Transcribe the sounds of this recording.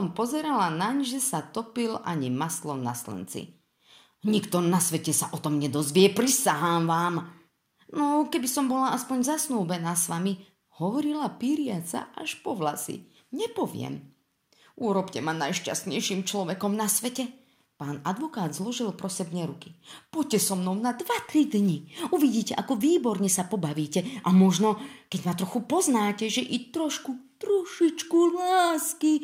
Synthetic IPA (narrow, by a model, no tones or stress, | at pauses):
ɔmpɔzɛɾalanaɲʒɛsat̪ɔpilaɲimaslɔnaslɛ̰nt͡sḭ | ɲikt̪ɔnasʋɛcɛsaʔɔt̪ɔmɲɛd̪ɔzʋɪɛpɾisaɦaːmʋaːm | nɔkɛbisɔmbɔlaaspɔɲzasnuːbɛnaːsʋami | hɔʋɔɾilapiːɾɪat͡sa̰ʔaʃpɔʋlasḭ | ɲɛpɔʋɪɛ̰m | uːɾɔpcɛmanajʃca̰st̪ɲɛjʃimt͡ʃlɔʋɛkɔmnasʋɛcɛ | paːnad̪ʋɔkaːd̪zlɔʒilpɾɔsɛbɲɛɾukipɔcːɛsɔmnɔʊnad̪ʋat̪ɾid̪ɲiuʋiɟiːcɛʔakɔʋiːbɔɾɲɛsapɔbaʋiːcɛʔamɔʒnɔkɛɟmat̪ɾɔxupɔznaːcɛʒɛʔit̪ɾɔʃkut̪ɾuʃit͡ʃkulaːski